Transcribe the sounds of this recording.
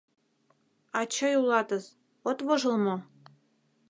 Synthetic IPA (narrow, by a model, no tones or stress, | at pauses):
ɑt͡ɕɑjulˠɑt̪ɤ̆z | ot̪βoʒɤ̆lmŏ